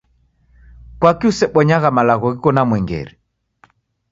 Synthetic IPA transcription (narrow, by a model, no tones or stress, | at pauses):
kwakiusɛɓɔɲaɣamalaɣɔɣikɔnamwɛŋɡɛ̰ɾɛ